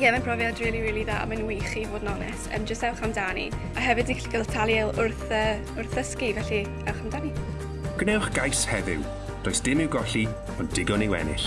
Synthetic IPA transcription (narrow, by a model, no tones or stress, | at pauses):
jɛmanpʰrɔvjadriːlˠiɾiːlˠiðaːa̰manwiχivoːdnɔnɛ̰sə̰ːmd͡ʒəstɛlˠχamdanḭ | aɦɛvɨdikɬɪ̥kəltʰalˠjɛlˠʊrθə | ʊrθəskivɛɬi | ɛlˠχamdani | ɡ̥nɛwχɡ̥ajshɛvɪ̰w | d̥oːjsd̥ɪmɪwɡɔɬi | ɔndɪɡɔniwɛ̰nɪ̰ɬ